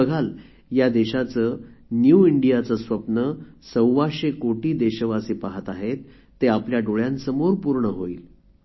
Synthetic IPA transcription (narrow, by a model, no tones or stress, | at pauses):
əɡʱal | jad̪eɕat͡səːnjuiɳɖijat͡səsʋəpnəsəwʋaɕekoʈiːd̪eɕəʋasiːpaɦət̪aɦet̪ː | eapljaɖoɭjãnsəmoɾpuɾɳəɦoiːl